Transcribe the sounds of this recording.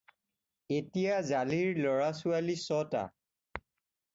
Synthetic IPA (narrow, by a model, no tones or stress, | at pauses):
etijazaliɹlɔɹasualisɔta̰